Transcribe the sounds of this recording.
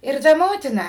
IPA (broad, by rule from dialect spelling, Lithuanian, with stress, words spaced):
ɪr ˈtɐ ˈmoːtʲɪnɐ